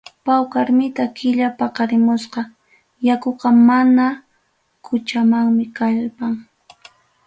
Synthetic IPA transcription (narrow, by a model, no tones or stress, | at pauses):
pawkaɾmɪt̪akɪʎapɑqɑɾɪmʊsqɑ | jakoqɑmana | kʰʊt͡ʃamaŋmɪkaʎpaŋ